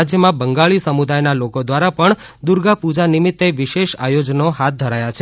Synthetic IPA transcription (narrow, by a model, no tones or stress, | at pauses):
d͡ʒjəmãbəŋɡaɭisəmud̪ajnalokod̪ʋaɾapəɳ | d̪uɾɡapud͡ʒanimit̪ːeʋiʃeʃa̰jod͡ʒnoɦat̪̚ʰd̪ʱəɾajat͡ʃʰe